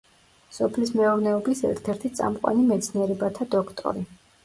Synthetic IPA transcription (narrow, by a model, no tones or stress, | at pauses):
sɔpʰlismɛɔɾnɛɔbisɛ̰ɾt̪ʰɛɾt̪ʰit̪sʼa̰mqʼwa̰nimɛt̪sʰniɛɾɛbat̪ʰad̪ɔkʰt̪ʼɔ̰ɾi